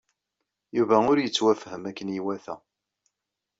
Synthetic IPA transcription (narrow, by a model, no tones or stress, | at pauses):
juvæʊɾjət͡sːwæfhəmækːənjiwæθæ̰